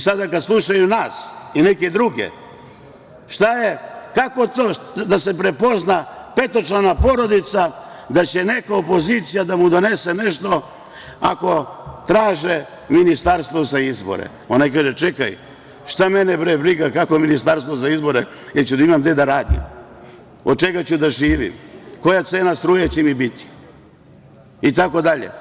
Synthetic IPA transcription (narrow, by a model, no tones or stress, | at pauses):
sad̪akad̪slˠuʃajunaːsineke̞d̪ɾuɡḛ | ʃt̪ajekako̞t̪oː | d̪ase̞pɾepo̞znapet̪o̞t͡ʃanapoɾo̞d̪it̪sa | d̪at͡ɕe̞nekaopo̞zit̪sijad̪amud̪o̞neseneʃt̪o̞ | a̰ko̞t̪ɾaːʒe | minist̪aɾst̪vo̞zaizbo̰ɾḛ | o̞najk̬aːʒet͡ʃeka̰j | ʃt̪ame̞nebɾebɾiɡakakominist̪aɾst̪ʋozaizbo̞ɾe | jeɾt͡ɕud̪aimamd̪ed̪aɾaːd̪ḭm | od̪̚t͡ʃe̞ɡat͡ɕud̪aʒiːʋḭmko̞jat̪seːnast̪ɾuːjet͡ɕemibit̪i̥ | it̪ako̞d̪aʎḛ